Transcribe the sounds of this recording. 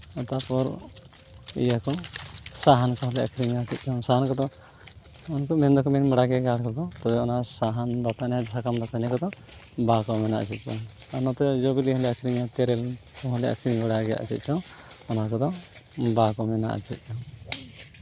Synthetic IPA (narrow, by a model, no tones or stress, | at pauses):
ɔt̪apɔɾ | ḭjakɔsaɦankɔɦɔlɛʔa̰kʰɾiŋat͡ʃit̪̚ˀt͡ʃɔsaɦankɔt̪ɔ | unkɔmɛnd̪ɔkɔmɛnməɽaɡɛɡaɽkɔd̪ɔt̪ɔbɛɔnasaɦanbat̪anasʰakamd̪at̪ʰanɛkɔd̪ɔ | bakɔmɛna̰ʔa̰t͡ʃʰit̪̚ˀt͡ʃʰɔ | anɔt̪ɛd͡ʒɔbiliɦɔlɛakʰɾiŋat̪ɛɾɛlkɔɦɔlɛʔa̰kʰɾiŋməɽaɡɛja̰ʔa̰t͡ʃḭt̪̚ˀt͡ʃɔɔnakɔd̪ɔbakɔmɛna̰ʔa̰t͡ʃʰit̪̚ˀt͡ʃʰɔ